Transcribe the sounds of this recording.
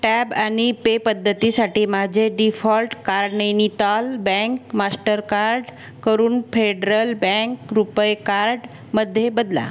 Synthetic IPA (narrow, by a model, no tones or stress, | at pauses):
ʈɛbaɽ̃ipepəd̪ʱːət̪isaʈiːmad͡ʑʱeɖifɔlʈkaɾɖnəjnit̪albɛ̃ŋkmasʈəɾkaɾɖ | kəɾuːnfeɖɾəlbɛ̃ŋkɾupəjkaɾɖ | məd̪ʱːjebəd̪la̰